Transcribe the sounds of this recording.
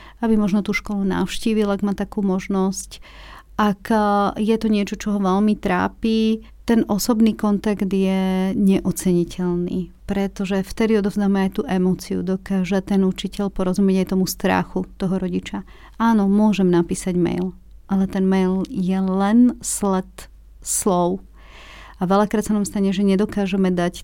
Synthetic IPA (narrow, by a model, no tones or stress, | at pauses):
abimɔʒnɔt̪uːʃkɔluna̰ʊʃciːʋilaɡmaːt̪akuːmɔʒnɔsc | ʔakjɛt̪ɔɲɪɛt͡ʃɔt͡ʃɔɦɔʋɛlmit̪ɾa̰ːpi | t̪ɛnʔɔsɔbniːkɔnt̪aɡd̪jɛɲɛʔɔt͡sɛɲicʰɛlnḭːpɾɛt̪ɔʒɛft̪ɛd̪iɔd̪ɔʊznaːmɛajt̪uːʔɛmɔːt͡siṵd̪ɔkaːʒat̪ɛnut͡ʃicɛʎpɔɾɔzumɪjɛɟajt̪ɔmust̪ɾa̰xut̪ɔɦɔɾɔɟit͡ʃa | aːnɔmʊɔʒɛmnapiːsaɟmɛ̰jl | ʔalɛt̪ɛnmɛjljɛlɛnslɛt̪ | slɔʊ | aʋɛlakɾaːt̪sanamst̪aɲɛʒɛɲɛd̪ɔkaːʒɛmɛd̪ac